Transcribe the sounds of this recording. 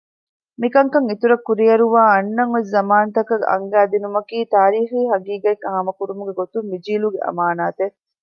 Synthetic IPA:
mikɐŋkɐŋit̪uɾɐkːuɾijɐɾuʋaːɐnːɐŋʋes̬zɐmaːnɐt̪ɐkɐɡʔɐ̰ŋɡæːd̪inumɐkiːt̪aːɾiːxiːɦɐɡiːɡɐekɐɦɐmɐkuɾumuɡeɡot̪umʋid͡ʒiːluɡeʔɐ̰maːnaːt̪e

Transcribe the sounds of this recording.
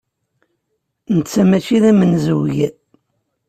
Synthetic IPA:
nət͡sːæmæʃiðæmənzəwʝ

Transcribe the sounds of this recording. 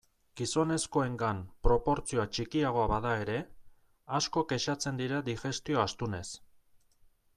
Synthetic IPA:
ɡ̥iso̞ne̞sko̞e̞ŋɡampɾo̞po̞ɾt͡sioat͡ʃikiaɣ̞o̞aβaðae̞ɾe̞ | asko̞ke̞ʃat͡se̞nd̪iɾad̪ixe̞st̪io̞ast̪une̞s

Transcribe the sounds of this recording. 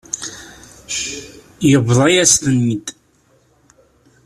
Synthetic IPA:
jəvðˤijæst̪ənːid̪

